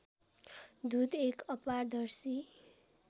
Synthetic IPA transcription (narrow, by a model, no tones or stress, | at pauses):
d̪ud̪ekʌpard̪ʌrsi